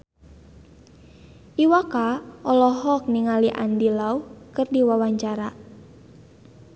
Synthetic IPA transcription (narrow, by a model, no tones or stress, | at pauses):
ʔiwakaʔɔlɔɦɔk̚niŋaliʔa̰ndilaukɨrdiwawaɲt͡ʃaɾa